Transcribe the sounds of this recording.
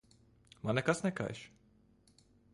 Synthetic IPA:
manɛkasnɛka̰jʃ

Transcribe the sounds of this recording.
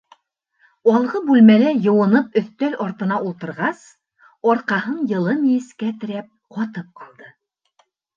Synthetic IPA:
ɒlˠʁɤbʉlmælæjɤ̆wɤ̆nɤp̚ɵ̆θt̪ælʔɒɾt̪ɤ̆nɑʔulˠt̪ɤ̆ɾʁɑs | ɒɾqɑɦɤɴjɤ̆lˠɤnijɘ̆skæt̪ɘ̆ɾæp̚qɒt̪ɤp̚qʰɤ̆lˠd̪ɤ

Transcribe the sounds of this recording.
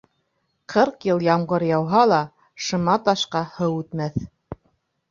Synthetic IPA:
qʰɤɾqjɤlˠjɑmʁɤɾjɑwɦɑlˠɑ | ʃɤ̆mɑt̪ɑʃqɑhɤwʉt̪mæθ

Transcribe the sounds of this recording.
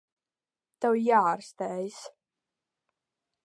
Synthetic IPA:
t̪awjaːɾst̪ɛjs

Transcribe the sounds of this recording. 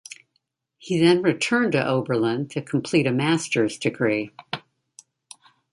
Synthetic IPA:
hiðɨ̃nɹɨtʰɜ̃˞ntɨʔoʊbə˞lə̃ntʰɨkʰm̩pʰl̥iɾɨmæstə˞zdɨɡɹi

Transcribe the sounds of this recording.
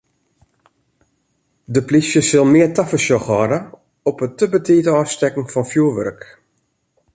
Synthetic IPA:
dəplisjəsɪlˠmɪərtafəsjɔxɔdə | ɔpətəbətʰiːtəɔfstɛkŋ̩fɔnfjuəʋø̰rk

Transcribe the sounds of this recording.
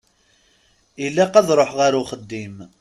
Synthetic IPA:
ilːaqæðɾˤoħʁaɾuχəd̪ːim

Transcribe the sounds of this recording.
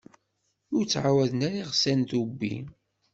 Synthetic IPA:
ʊɾt͡sːʕawæðənæɾiʁsænt̪ubːḭ

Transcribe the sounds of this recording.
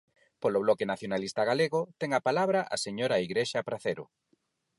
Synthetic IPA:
poloβlɔkenaθjonalist̪ɐɣaleɣot̪ɛŋapalaβɾaʔa̰seɲoɾaiɣɾeʃapɾaθeɾʊ̰

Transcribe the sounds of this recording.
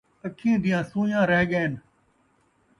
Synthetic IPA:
əkʰĩːd̪ɪjãːsũːjãːɾəɦɠəːn

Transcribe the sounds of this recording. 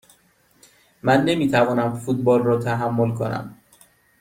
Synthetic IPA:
mænːe̞miːt̪ʰævɒːnæmfuːt̪̚bɒːlrɒːt̪ʰæɦæmːolkʰo̞̰næ̰m

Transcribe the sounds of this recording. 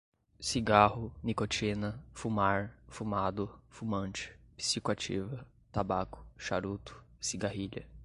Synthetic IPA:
siɡahʊnikot͡ʃinɐfumaɾfumad̪ʊfumɐ̃nt͡ʃɪ̥pi̥sikʊat͡ʃḭvɐ | t̪abakʊ̥ʃaɾut̪ʊ̥siɡahiʎɐ

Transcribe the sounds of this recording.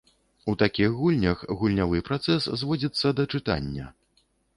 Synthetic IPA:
ut̪akʲixɣulʲnʲɐxɣulʲnʲavɨpɾat̪sɛsːzvɔd͡zʲit̪sːɐd̪ɐt͡ʂɨt̪a̰nʲːɐ̰

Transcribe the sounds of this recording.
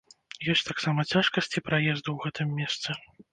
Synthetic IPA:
jɔsʲt̪aksamɐt͡sʲaʂkɐsʲt͡sʲipɾajɛzd̪uwɣɛt̪ɨmːʲɛst̪sɨ

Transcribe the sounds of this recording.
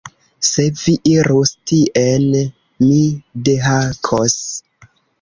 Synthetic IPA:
se̞viʔiɾustiʔen | mideɦakʰos

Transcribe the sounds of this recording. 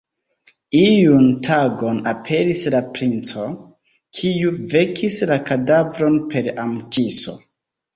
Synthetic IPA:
iuntʰaɡo̞napʰe̞ɾislapɾint͡so̞ | kʰiuve̞kʰislakadavɾo̞npe̞ɾamt͡ʃiso̞̰

